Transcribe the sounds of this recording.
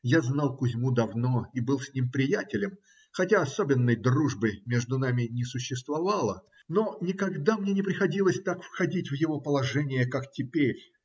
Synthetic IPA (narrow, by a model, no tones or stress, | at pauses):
jaznɑlˠkʊzʲmud̪ɐvno̞ibɨlˠsʲnʲimpɾʲɪjætʲɪlʲɪm | xɐtʲaɐsobʲɪnːəjd̪ruʐbɨmʲeʐd̪ʊnamʲɪnʲɪsʊɕːɪst̪vɐvalˠə | no̞nʲɪkɐɡd̪amnʲenʲɪpɾʲɪxɐdʲilˠəsʲt̪akfxɐdʲitʲvjɪvo̞pəlˠɐʐɛnʲɪjəkaktʲɪpʲeɾʲ